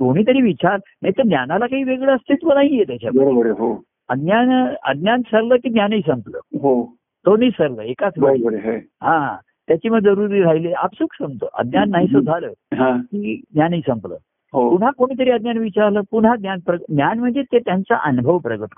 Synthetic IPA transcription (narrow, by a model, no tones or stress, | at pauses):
koɽ̃iːt̪̬əɾiːʋit͡ɕaɾənaɦit̪ənjanalakaɦiːʋeɡɭəəst̪ʰit̪ʋənaɦijet̪jat͡ɕʰabəɾobəɾəɦo | əɡ̪njanə̰d̪̚njansəɾləːkiːɡ̪njanəiːsəmplə̰ːɦo | t̪onəːsəɾləːekat͡smabəɾəɦa | ɦã | t̪jat͡ɕiːməɡd͡zəɾuɾiːɾajlea̰psuːksə̃mt̪o̰ʔə̰d̪njanːaɦisəd͡zʱaləːɦãkiːd̪nʲjanisəmplə̰ː | ɦopunɦakoɽ̃iːt̪̬əɾiːəd̪̚njanʋit͡ɕaɾləːpuɳɦaɡ̪nʲjanpɾənjanm̤əɳd͡zet̪et̪jant͡sa̰ʔənubʱəʋpɾəɡət̪